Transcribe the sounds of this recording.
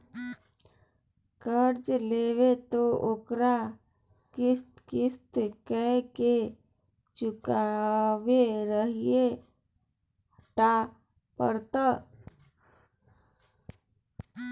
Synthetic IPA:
kəɾd͡ʒleʋet̪ookɾa | kɪst̪kɪst̪kəke | t͡ʃʊkaweɾəɦie | ʈa | pəɾt̪ə

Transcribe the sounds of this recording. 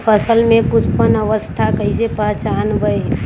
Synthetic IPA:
pʰəsəlmẽkut͡ʃʰpənəʋəst̪ʰakəɪsepəɦt͡ʃanbəj

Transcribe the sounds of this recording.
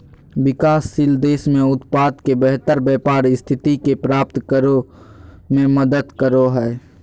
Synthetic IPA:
wɪkaːsːɪld̪eːsmẽʊt̪paːd̪kebɛɦt̪əɾbɛːpaːɾɪst̪ʰɪt̪ikepɾaːp̚t̪kəɾo | mẽməd̪əd̪kəɾoɦɛː

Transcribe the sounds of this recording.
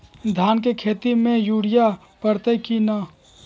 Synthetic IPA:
d̪ʱjaːnkekʰeːt̪imẽjuːɽija | pəɽt̪əkina

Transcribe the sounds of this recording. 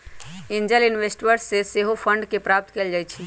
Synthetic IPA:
ɪ̃nd͡ʒəlɪnʋesʈʋəɾsːeseɦofʰə̃ɳɖkepɾaːp̚t̪keld͡ʒaːjt͡ʃʰi

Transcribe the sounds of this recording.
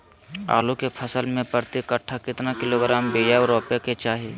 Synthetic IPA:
a̰ːlukepʰɐsəlmẽpəɾt̪ɪkəʈʰːakɪt̪nakɪloːɡɾaːmbeːjaːoɾoːpjaket͡ʃaːɦieː

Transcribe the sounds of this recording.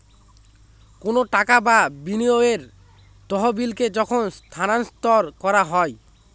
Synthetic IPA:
konoʈakababinioeɾ | t̪ɔɦobilked͡ʑɔkʰonst̪ʰananst̪ɔɾkɔɾaɦɔe

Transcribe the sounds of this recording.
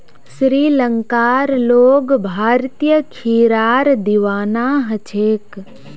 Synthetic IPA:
ʃɾiːləŋkaːɾloːɡbʱaːɾt̪ijəkʰiːɾaːɾd̪iʋaːnaːɦət͡ʃʰeːk

